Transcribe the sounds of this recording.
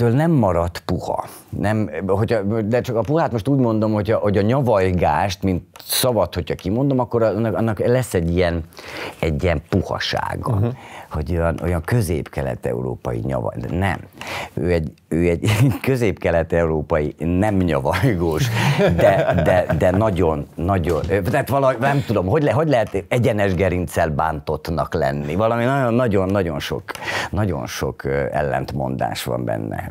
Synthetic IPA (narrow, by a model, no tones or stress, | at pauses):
øːlnɛmːɒɾɒt̪puhɒ̰nɛmɦo̞cʰɒd̪ɛt͡ʃɒkɒpuhaːt̪mo̞ʃt̪uːɟmo̞nd̪o̞mho̞cʰɒho̞ɟɒɲɒvɒjɡaːʃt̪mint̪sɒvɒt̪ho̞cʰɒkimo̞nd̪o̞mɒkːo̞ɾnːɒnːɒklɛsːɛɟːijɛnɛɟːiɛmpuhɒ̰ʃa̰ːɡɒho̞ɟojɒno̞̰jɒŋkø̞zḛːpkɛlɛ̰t̪ɛ̰ṵɾo̰ːpɒjḭɲɒ̰vɒ̰nɛ̰møːɛɟ | øːɛɟkøzeːpkɛlɛt̪ɛuɾoːpɒjinɛmɲɒvɒjɡoːʃd̪ɛd̪ɛd̪ɛnɒɟo̞nːɒɟont̪ɛːt̪ʋɒlɒnɛmt̪ud̪o̞mɦo̞ɟlɛɦoɟlɛɦɛt̪ɛɟɛnɛʒɡɛɾint̪sɛlbaːnt̪o̞t̪nɒklɛnːivɒlɒminɒonːɒɟo̞nːɒɟo̞nʃo̰knɒɟo̞̰nʃo̞kːɛ̰lːɛ̰nt̪mo̞nd̪a̰ːʃʋɒ̰mbɛ̰nːɛ̰